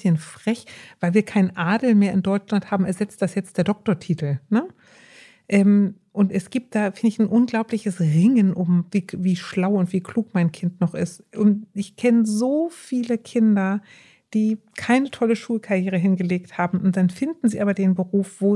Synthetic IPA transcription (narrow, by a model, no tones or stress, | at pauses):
ənfʁ̥ɛçv̥aɪlviːɐkʰaɪnʔaːdl̩meːɐɪndɔʏt͡ʃlanthaːbm̩ɛɐzɛt͡st̚d̥asjɛt͡st̚d̥eːɐdɔk̚toɐtʰiːtl̩nə | ʔɛːm | ʔʊntʔɛsɡ̥iːp̚t̚d̥aːfɪndəɪçnʔʊnɡlaʊplɪçəsʁɪŋənʔʊmviːviːʃlaʊʊntv̥iːkʰl̥uːkmaɪnkʰɪntnɔχʔɪstʔʊntʔɪçkʰɛnəzoːfiːləkʰɪndɐ | d̥iːkʰaɪnətʰɔləʃuːlkʰaʁjeːʁ̞əɦɪnɡəleːkthaːbm̩ʔʊnt̚d̥anfɪndn̩ziːʔaːbɐdeːnbəʁuːfv̥oː